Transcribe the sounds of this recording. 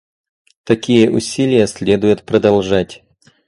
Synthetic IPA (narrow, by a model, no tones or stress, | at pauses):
t̪ɐkʲijəʔʊsʲilʲɪjəsʲlʲed̪ʊjʊt̪pɾɐd̪ɐlˠʐatʲ